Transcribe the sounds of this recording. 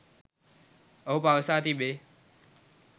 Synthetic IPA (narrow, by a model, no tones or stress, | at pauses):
əuːpaːəsaːt̪iːɓeː